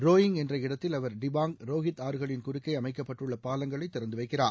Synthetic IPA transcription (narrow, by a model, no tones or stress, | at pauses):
roːjɪŋɡɛndrɐɪɽɐt̪ːɪlɐʋɐɾɖɪbaːŋɡɾoːɣɪt̪aːɾɯɣɐɭɪnkʊɾɪkːɐɪɐmɐɪkːɐpːɐʈːrɯɭːɐpaːlɐŋɡɐɭɐɪt̪ːɪɾɐnd̪ɯʋɐɪkːɪraː